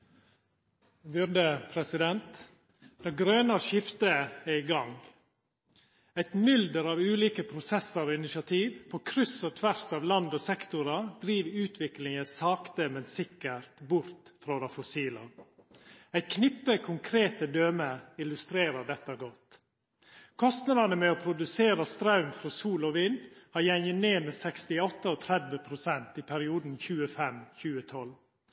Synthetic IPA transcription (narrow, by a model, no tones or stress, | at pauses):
bʉɾd̪əpʰɾɛsɪd̪ɛnt̪ | d̪ɑɡɾøːnɑʃɪft̪əæɪɡɑŋ | æɪt̪mʏld̪əɾɑːʋʉːliːkəpʰɾʊsɛsəɾoːɪnɪʃɪɑt̪ʰiːʋpʰoːkʰɾʏsot̪ʰʋæɾsɑːʋlɑnd̪oːsɛkt̪ʊɾɑd̪ɾiːʋʉːt̪ʰʋɪklɪŋəsɑːkt̪əmɛnsɪkːəɾt̪bʊɾt̪fɾoːd̪ɑfɔsiːlɑ̰ | æɪt̪kʰnɪpːəkʰʊŋkʰɾeːt̪əd̪øːməɪlʉst̪ɾeːɾəɖɛt̪ːəɡɔt̪ | kʰɔst̪nɑd̪ɑnəmɛɔːpʰɾʊd̪ʉseːɾəst̪ɾɑʉmfɾɔsuːlɔʋɪnd̪hɑjɛŋəneːmɛsɛkst̪ɪɔt̪ːəɔːt̪ʰɾɛd̪ʋəpʰɾʊsɛnt̪ɪpʰæɾɪuːd̪n̩çʉːəfɛmçʉːət̪ʰɔl